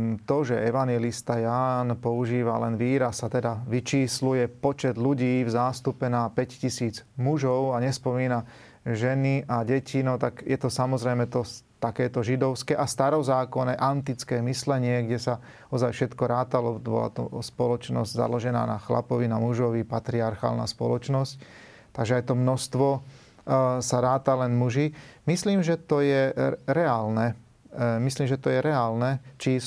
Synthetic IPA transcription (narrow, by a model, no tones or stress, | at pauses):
t̪ɔʒɛɛʋanɪjɛlist̪ajaːnpɔuʒiːʋalɛnʋiːɾasːat̪ɛd̪aʋit͡ʃiːslujɛpɔt͡ʃɛd̪luɟiːvzaːst̪upɛnapɛccisiːd͡zmuʒɔʊaɲɛspɔmiːna | ʒɛniʔaɟɛcʰinɔt̪aɡjɛt̪ɔsamɔzɾɛjmɛt̪ɔt̪akɛːt̪ɔʒid̪ɔʊskɛːʔast̪aɾɔzaːkɔnɛjʔant̪it͡skɛːmislɛɲɪɛɡɟɛsa | ɔzajfʃɛt̪kɔɾaːt̪alɔbɔ̰la̰t̪ɔ̰spɔlɔt͡ʃnɔ̰zɟza̰lɔʒɛna̰ːnaxla̰pɔʋinamuʒɔʋipat̪ɾiaɾxa̰ːlna̰spɔ̰lɔt͡ʃnɔsc | tt̪aɡʒɛajt̪ɔmnɔst̪ʋɔ | saɾaːt̪alɛnmuʒiːmisliːmʒɛt̪ɔjɛɾɛaːlnɛ | misliːmʒɛt̪ɔjɛɾɛaːlnɛt͡ʃi